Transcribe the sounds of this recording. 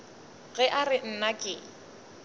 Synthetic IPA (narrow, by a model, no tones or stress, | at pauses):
ɣɛʔarɪn̩nakʼɪ